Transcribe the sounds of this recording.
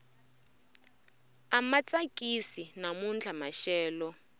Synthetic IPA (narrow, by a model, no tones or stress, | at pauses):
amat͡sʼakʼisinamund͡ɮʰʱamaʃɛːlɔ